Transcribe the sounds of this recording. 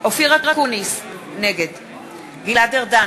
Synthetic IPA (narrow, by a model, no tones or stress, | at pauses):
ofiʁakʁakunis | neɡed̪ | ɡilad̪eʁd̪a